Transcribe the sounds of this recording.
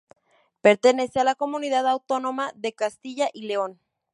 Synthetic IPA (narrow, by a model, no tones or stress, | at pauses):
pe̞ɾt̪e̞ne̞sealako̞mũniðaðawt̪o̞no̞maðe̞kast̪iʝaʔile̞o̞n